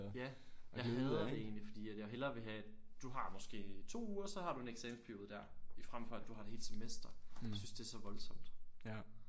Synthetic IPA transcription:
jæjɑ̈ɪɦɛð̩ˠd̥e̝e̝̰ːnlifɒ̽d̥ḭːæd̥jɑɦelɐʋe̝ɦæd̥uɦɑ̈mɒ̽sɡ̥e̝̰ːt͡sʰo̝̰ːuːɐsɒ̽hɑ̈ɾ̥ue̝neɡ̥sɛːmspʰæɐjoːð̞ˠd̥æɐ̰ifʁamfɒ̽æd̥uhɑ̈e̝̥he̝ːl̥semesd̥ɐjsynsd̥e̝æɐsɒ̽ʋɒ̽lsɒ̽m̰d̥

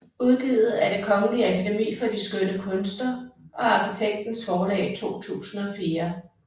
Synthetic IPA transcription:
uð̞ˠɡ̥ḭːð̩ˠæɐɾ̥e̝kʰɒ̽ŋəliækʰid̥emḭːfɒ̽d̥isɡ̥ødəkʰɔ̽nsd̥ɐʔɒ̽ɑ̈kʰit͡sʰeɡ̥̚d̥n̩sfɒːlɛ̰ːɪt͡sʰo̝̰ːt͡sʰṵːsn̩ɒ̽fiːɐ

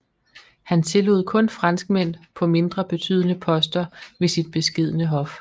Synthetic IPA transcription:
hænt͡sʰe̝lo̝ð̰ˠkʰɔ̽nfʁɑ̈nsɡ̥̚men̰pʰɒ̽me̝nd̥ʁɐb̥e̝t͡sʰy̰ːð̰ˠənəpʰɒ̽sd̥ɐʋe̝sid̥̚b̥e̝sɡ̥e̝ð̞̰ˠnəɦɒ̽f

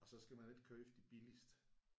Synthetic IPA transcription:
ɒ̽sɒ̽sɡ̥æmænle̝d̥̚kʰøfd̥ib̥ilisd̥

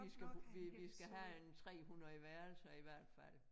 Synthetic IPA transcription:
isɡ̥æ̥ʋiʋisɡ̥æɦæent͡sʰʁɛ̰ːɦunðɐiʋæɐl̩sɐiʋæɐ̰d̥fæl̰

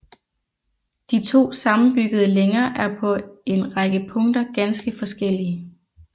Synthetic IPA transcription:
d̥it͡sʰo̝̰ːsɑ̈mn̩b̥yɡ̥əð̞ˠəleŋɐːʔæɐpʰɒ̽e̝nʁɑɡ̥əpʰɔ̽ŋ̰d̥ɐɡ̥ænsɡ̥əfɒ̽sɡ̥el̰iə

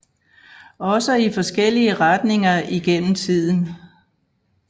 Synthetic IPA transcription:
ɒ̽səifɒ̽sɡ̥el̰iəʁad̥ne̝ŋɐiɡ̥en̰m̩t͡sʰið̰ˠn̩

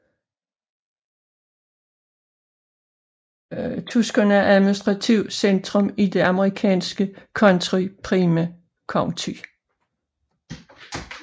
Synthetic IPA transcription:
t͡sʰusɡ̥ɐnəæɐʔæðˠminisd̥ʁɑ̈t͡sʰiʊ̰send̥ʁɔ̽mid̥e̝ʔɑ̈məʁikʰɛ̰ːnsɡ̥əkʰɒ̽nt͡sʰʁipʰʁiːmæ | kʰɒŋt͡sʰy

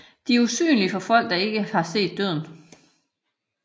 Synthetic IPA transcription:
d̥iæɐusy̰ːnlifɒ̽fɒ̽l̰ɡ̥̚d̥ɑ̈e̝ɡ̥əhɑ̈se̝̰ːd̥̚ːøð̞̰ˠn̩

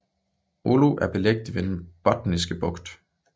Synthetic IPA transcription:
ʔoluʔæɐb̥e̝leɡ̥̚d̥iʋed̥enb̥ɒd̥nisɡ̥əb̥ɔ̽ɡ̥d̥

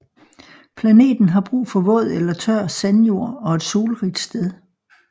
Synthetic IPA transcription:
pʰlæne̝̰ːd̥n̩ɦɑ̈b̥ʁṵːfɒ̽ʋɔ̰̽ːð̞̰ˠelɐt͡sʰɶɐ̰sænjo̝ɐ̰ɒ̽e̝d̥so̝ːlʁid̥sd̥eðˠ

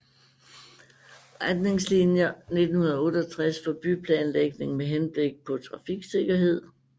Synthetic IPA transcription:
ʁad̥ne̝ŋslinjɐne̝d̥n̩hunɐð̩ˠɐɔ̽ːɾɒt͡sʰʁasfɒ̽b̥ypʰlɛːnleɡ̥ne̝ŋmeɦenb̥le̝ɡ̥̚pʰɒ̽t͡sʰʁɑ̈fiɡ̥se̝ɡ̥ɐɦe̝ð̞̰ˠ

